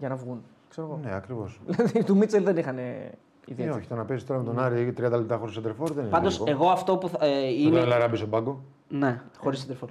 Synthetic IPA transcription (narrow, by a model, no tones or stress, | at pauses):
ʝɐnɐvɣun | kseɾoɣoneɐkɾivo̞sðilɐðit̪umit͡selðenixɐne | ḭðieoçi̥t̪onɐpesist̪oɾɐmet̪onɐɾit̪ɾiɐnd̪ɐlep̚t̪ɐxo̞ɾisɐd̪eɾfoɾðeninpɐnd̪ose̞ɣo̞ɐft̪o̞puθɐineelɐɾɐbisobɐɡo | ne̞xo̞ɾisɐnd̪eɾfoɾ